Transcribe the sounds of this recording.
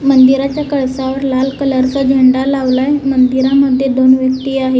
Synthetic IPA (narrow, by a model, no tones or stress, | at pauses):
mənd̪iɾat͡ɕjakəɭsaʋəɾlalkələɾsəd͡ʑʱəɳɖalaʋlajmənd̪iɾaməd̪ʱjed̪onʋjək̚t̪iːaɦe